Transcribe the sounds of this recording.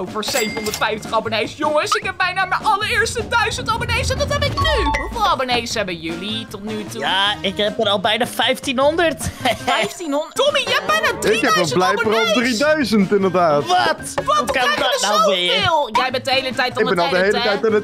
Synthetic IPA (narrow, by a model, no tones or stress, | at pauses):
owfəɹsejvən̩ɔndəɹtfɛjftəχabonejsjʊŋəsɪkɦɛp̚mɛjnaːməʔɑləɹɪːɹstədœɥzəntabonejsɛndɑtɦɛpɪknyɦufɪːlˠabonejsɛbənjølitɔtnytujaːɪkɦɛpəɾɑlˠbɛjnaːfɛjftinɦɔndərtftinɔmijbɛjnaɪkhɛpɔlˠblɛjfəɾɔlˠdridœɥzəntɪndəɹdaːtʋɔtʋukɑndɔnawmɪjɪlˠjɛjbɛndəɦejlətɛjtɔlɪɡ̚ˠbɛnɔldəɦejlləɛjtanət